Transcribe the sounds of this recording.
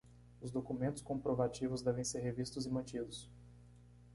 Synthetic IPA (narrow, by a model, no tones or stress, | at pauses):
ʊzd̪okumẽnt̪ʊ̥skõpɾovat͡ʃivʊzd̪ɛvẽj̃seɾɦevist̪ʊzɪmɐ̃nt͡ʃid̪ʊs